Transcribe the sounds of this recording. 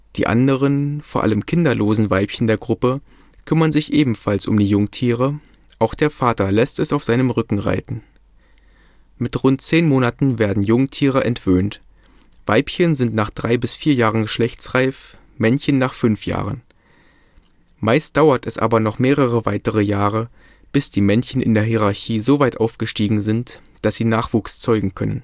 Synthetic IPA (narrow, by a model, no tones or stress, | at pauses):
d̥ḭːʔa̰ndəʁ̞ənfoːɐʔa̰ləmkʰɪndɐloːzn̩vaɪpçəndeːɐɡʁʊpə | kʰʏmɐnzɪçʔeːbm̩falsʊ̰mdiːjʊŋtʰiːʁə | ʔaʊxd̥eːɐfaːtɐlɛstɛsaʊfz̥aɪnəmʁʏkŋ̩ʁa̰ɪtn̩ | mɪtʁʊnt̚t͡seːnmoːnatn̩veːɐdn̩jʊŋtʰiːʁəʔɛntv̥øːnt | v̥aɪpçənzɪntnaːχd̥ʁaɪbɪsfiːɐjaːʁənɡəʃlɛçt͡sʁaɪf | mɛnçənːaːχfʏnfja̰ːʁən | maɪst̚d̥aʊɐtɛsʔa̰ːbɐnɔχmeːʁəʁ̞əvaɪtəʁəjaːʁə | b̥ɪsd̥iːmɛnçən̩ʔɪ̰ndeːɐɦiʁaɐçiːzoːvaɪtʔaʊfɡ̥əʃtiːɡŋ̩zɪnt | d̥asz̥iːnaːχv̥uːkst͡sɔʏɡŋ̩kʰœnən